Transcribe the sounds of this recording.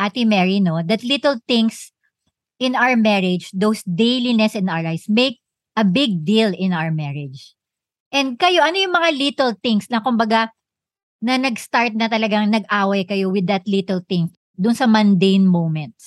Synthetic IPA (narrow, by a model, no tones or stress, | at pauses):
ʔat̪ɪmɛɹinod̪ɐt̪lit̪ɛlt̪ɪ̃ŋs | ʔɪ̃nawəɹmɛɹɛd͡ʒd̪owsd̪ejlinɛsɪ̃nʔawə˞lajsmejk̚ | ʔɐbɪɡ̚d̪ilɪ̃nawəɹmɛɹɛd͡ʒ | ʔɛnd̪̚kɐjo̞ʔɐnojʊŋmɐŋalit̪ɛlt̪ɪŋslɐŋkʊmbɐɡa | nɐnɐɡst̪aɹt̪̚nɐt̪ɐlɐɡaŋnɐɡʔaːwɐjkɐjo̞wɪd̪ːɐt̪lit̪ɛlt̪ɪŋs | d̪ʊnsɐmɐ̃nd̪ejnmowmɛ̃nt̪̚s